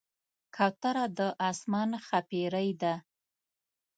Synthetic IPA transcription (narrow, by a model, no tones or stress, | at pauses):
kʰawt̪aɾad̪əʔɑsmɑnxapeɾəjd̪a